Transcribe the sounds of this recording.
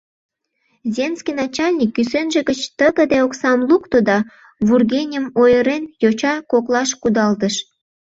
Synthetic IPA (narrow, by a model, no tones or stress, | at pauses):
zʲenskʲijnɑt͡ɕɑlʲnʲikːysenʒĕɣə̆t͡ɕt̪əɣə̆d̪eoksɑmlukt̪od̪ɑ | βurɣʲenʲəmojəɾenjot͡ɕɑkoklɑʃkud̪ɑlt̪əʃ